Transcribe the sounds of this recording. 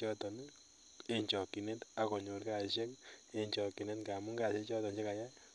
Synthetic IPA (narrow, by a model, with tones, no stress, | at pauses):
ɔ˦tɔ˨n˦ | e˦ɲt͡ʃɔ˨kːi˨ne˦ta˨kɔ˨ɲo˨ɾka˦˨ʃe˦ke˦ɲt͡ʃɔ˨kːi˨ne˦tka˨mu˦ŋɡa˨ʃe˦t͡ʃɔ˦tɔ˨nt͡ʃe˦ka˨ja˦